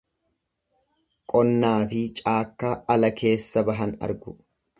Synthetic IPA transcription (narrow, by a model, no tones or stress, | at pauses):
kʼɔnːaːfɪt͡ʃʼaːkːaːɐlɐkʰe̞ːsːɐbɐɦɐnɐ̰ɾɡʊ